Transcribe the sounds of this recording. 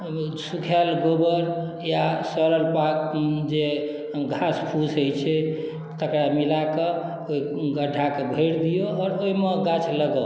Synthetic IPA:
sukʰɛlɡobəɾ | jasɔɾəlpakd͡ʒe | ɡʱaspʰusɦojt͡ʃʰɛ | t̪əkɾamilake | oiɡəɖʱakebʱeɽd̪ijoɔːɾoimeɡat͡ʃʰləɡə

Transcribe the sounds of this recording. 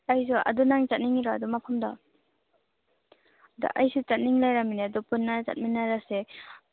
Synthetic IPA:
ajs̬uʔa̰dunaŋt͡ʃat̚niŋiɾaadumapʰamda | da̰ʔajsut͡ʃat̚niŋlajɾaminiadupunːat͡ʃa̰t̚minaɾase

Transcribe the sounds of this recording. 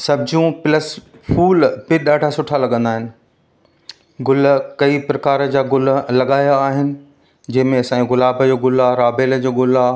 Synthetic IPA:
sɐbʱɪd͡ʑũplɐs | fuːlpɪɗaːɖʱasʊʈʰalɐɠə̃nd̪aːɦɪnɪ̆ | ɡʊlkɐipɾɐkaːɾəd͡ʑaːɡʊllɐɠaːjaːɦɪnɪ̆ | d͡ʑɐ̃ɦɪ̃mẽɐsãːĩɣʊlaːbʱəd͡ʑoːɡʊlaɾaːbeːləd͡ʑoːɡʊla

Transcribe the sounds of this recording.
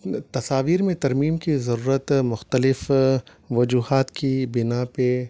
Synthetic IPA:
t̪ɐsaːʋiːɾmẽt̪ɐɾmiːmkizɐɾuːɾət̪mʊxt̪əlɪf | ʋɐd͡ʒuːɦaːt̪kibɪnape

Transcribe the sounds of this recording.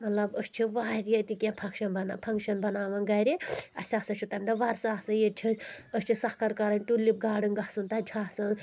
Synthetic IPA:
mɐt̪lɐbəst͡ʃʰiʋaːɾjɐt̪ikʲẽpʰɐkʃɐnbɐnapʰɐŋkʃɐnbɐnaːʋɐnɡɐɾʲiɐsʲaːsɐt͡ʃʰut̪ɐmʲd̪ɐʋɐɾsaːsɐjet͡ʃʰiəst͡ʃʰisɐhkɐɾkɐɾɐnʲʈulːip̚ɡaːɽɨnɡɐhsunt̪ɐd͡ʒʰʱaːsɐn

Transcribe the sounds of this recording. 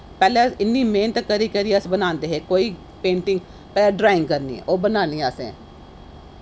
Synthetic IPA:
pɛːlɛ̃ɪnːiːmeːnət̪kəɾiːkəɾiəsbənãːnd̪eːɦeːkoːiː | pẽːɳʈɪ̃ŋɡ | pɛːlɛːɖɾaːɪ̃ŋɡkəɾnḭːɛ̰ːʔoːbənaːniːəsɛ̰̃ː

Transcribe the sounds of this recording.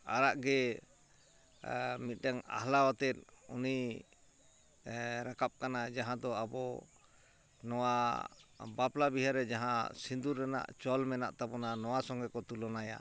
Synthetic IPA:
aɾaʔɡɛ | mit̪̚ˀɖaŋa̰ɦlawat̪ɛt̪̚ˀṵni | ɾakap̚kanad͡ʒaɦãd̪ɔabɔ | nɔwa | baplabiɦaɾɛd͡ʒaɦãsind̪uɾːana̰ʔt͡ʃɔlmɛna̰ʔt̪abɔnanɔwasɔŋɡɛkɔt̪ulɔnaja̰

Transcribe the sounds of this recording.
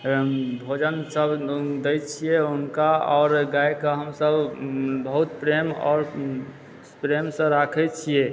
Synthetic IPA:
bʱod͡ʒənsəbd̪ɛjt͡ʃʰijeunkaɔːɾɡajkəɦəmsəbbəɦut̪pɾemɔ̰ːɾ | pɾemsə̃ɾakʰɛt͡ʃʰije

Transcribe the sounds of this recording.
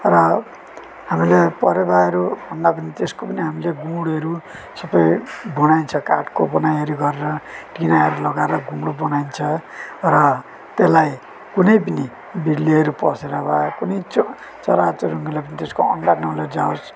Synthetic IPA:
rʌ | hamilepʌɾebaʌɾubʱʌnd̪apʌnit̪eskopʌniɦamileɡuɽʌɾu | sʌbʌjbunajnt͡sʰʌkaʈkobʌnajɦʌɾuɡʌɾeɾʌʈinaɦʌɾulʌɡaeɾʌɡũmɽobʌnajnt͡sʰʌrʌ | t̪elaj | kunʌjpʌni | biɽliʌɾupʌ̰seɾʌbakunʌj | t͡sʌ̰ɾat͡soɾuŋɡilapʌnit̪eskoʌɳɖanʌlʌd͡zaos

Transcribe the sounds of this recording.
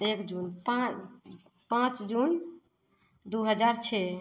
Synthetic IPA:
ekd͡ʒunpa | pãt͡ʃd͡ʒun | d̪uɦəd͡ʒaɾt͡ʃʰɛ

